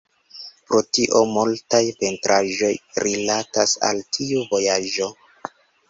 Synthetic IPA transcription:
pɾotiʔo̞multajpe̞ntɾʔaʒo̞jɾilatasa̰ltʰiuvo̞jaʒo̞

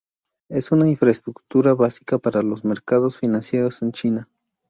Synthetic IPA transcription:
e̞sunainfɾaest̪ɾukt̪uɾaβasi̥kapaɾalo̞sme̞ɾkað̞osfinansjeɾose̞nt͡ʃina

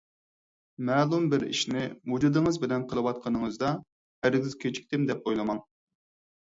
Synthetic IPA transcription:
mɛːlˠumbɪɾḭʃnɪwud͡ʒud̪ɨŋəzbɪlɛnqʰəlˠɨwɑt̪̚qʰənɨŋəzd̪ɑ | æɾɪɡʲɪzkʲʰet͡ʃʰi̥kʲt̪ɪmd̪ɛp̚bojlˠɨmɑŋ

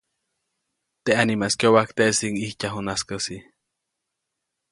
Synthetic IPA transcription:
t̪eʔanimaskjowakt̪eʔsiŋihcaɦunaskəsi

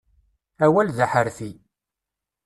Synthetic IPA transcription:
æwælðaħəɾθi

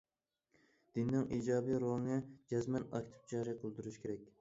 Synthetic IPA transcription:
d̪̥ind̪ɪŋʔiːd͡ʒɑːbiɾolˠŋɛd͡ʒɛzmɛnɑ̰kʲt̪ʰɪ̥p̚d͡ʒɑːɾiqʰəlˠd̪uɾuʃkʲʰeɾɛkʲ

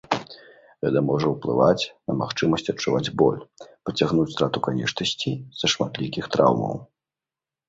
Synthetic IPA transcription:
ɣɛt̪ɐmɔʐɐwplˠɨ̰vat͡sʲnɐmaxt͡ʂɨmɐsʲt͡sʲɐt͡ʂuvad͡zʲbɔ̰lʲpɾɐt͡sʲaɣnut͡sʲst̪ɾat̪ukanʲɛʂt̪ɐsʲt͡sʲiz̥ɐʂmat̪lʲikʲixt̪ɾa̰wmɐ̰w

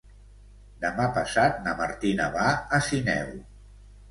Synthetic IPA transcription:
d̪əmapəsat̪̚nəmaɾt̪inəβaəsinɛ̰w

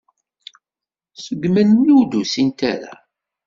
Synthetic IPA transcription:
səɡmænːiud̪usint̪æ̰ɾa̰

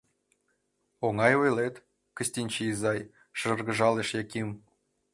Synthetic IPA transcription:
oŋɑjojlet̪ | kə̆ɕʲt̪ʲinʲt͡ɕeizɑj | ʃɤ̆rɣə̆ʒɑleʃjɑkʲim

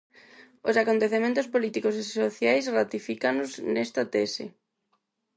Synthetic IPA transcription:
osakont̪eθemẽnt̪ʊspolit̪ikos̬esoθjajsrat̪ifikanoznɛst̪at̪ɛsɪ̰

